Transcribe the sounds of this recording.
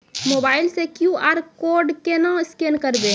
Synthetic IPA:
moːbaːɪlsekjuaːɾkoːɾɖkenãɪskenkəɾbe

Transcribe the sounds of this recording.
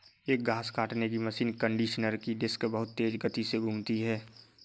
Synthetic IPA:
eːk̚ɡʱaːskaːʈnek̬iməsiːnkə̃ɳɖiːʃnəɾkid̪ɪskbəɦʊt̪ːeːd͡ʒɡət̪iseɡʱũmt̪iɦɛː

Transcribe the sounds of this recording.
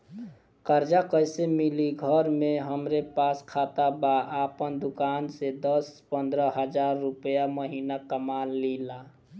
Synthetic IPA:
kəɾd͡ʒakəɪsemiliɡʱəɾmẽɦəmɾepaːskʰat̪abaʔapənd̪ʊkaːnsed̪əspə̃nd̪ɾəɦəd͡ʒaːɾːʊpəjaməɦiːnakəmaːlːila

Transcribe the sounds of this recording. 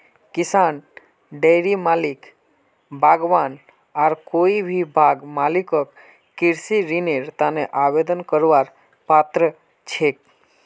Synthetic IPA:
kɪsan | ɖejɾimalik | bʱaɡʋan | aɾkoibʱibʱaɡmalikɔk̚ | kiɾsiɾineɾt̪aneʔaʋed̪ənkəɾʋaɾ | pat̪ɾə | t͡ʃʰek

